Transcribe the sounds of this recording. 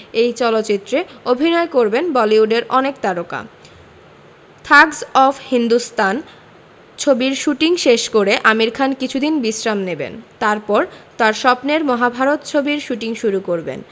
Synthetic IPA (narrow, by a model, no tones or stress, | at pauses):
ejt͡ɕɔlot̪ːt͡ɕit̪ːɾeobʱinɔekoɾbenbɔliuɖeɾɔnek̚t̪aɾoka̰ | t̪ʰaɡsɔfʰhind̪ust̪an | t͡ɕʰobiɾʃuʈiŋʃeʃkoɾeʔamiɾkʰankit͡ɕʰud̪inbisɾamnebḛnt̪aɾpɔɾt̪aɾʃɔpneɾmɔɦabʱaɾot̪t͡ɕʰobiɾʃuʈiŋʃuɾukoɾbḛn